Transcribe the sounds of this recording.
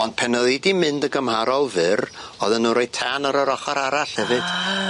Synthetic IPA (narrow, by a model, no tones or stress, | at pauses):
ɔnd̥pʰɛnəðidimɨndəɡəmhaɾɔlˠvɨrɔðənuɾojtʰanəɾəɾɔχaɾaɾaɬhɛvɨd̥